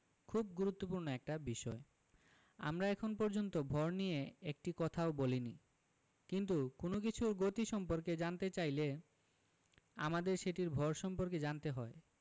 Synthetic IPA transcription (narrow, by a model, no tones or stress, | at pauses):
kʰub̚ɡuɾut̪ːopuɾnoɛk̚ʈabiʃɔe | a̰mɾaɛkʰonpɔɾd͡ʑont̪obʱɔɾnijeek̚ʈikɔt̪ʰaobolini | kint̪̬ukonokit͡ɕʰuɾɡot̪iʃɔmpoɾked͡ʑant̪et͡ɕajle | a̰mad̪eɾʃeʈiɾbʱɔɾʃɔmpoɾked͡ʑant̪eɦɔe